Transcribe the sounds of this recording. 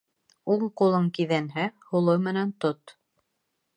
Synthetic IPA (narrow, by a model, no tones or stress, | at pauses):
uɴqulˠɤɴkiðænɦæhulˠɤmɘ̆nænt̪ot̪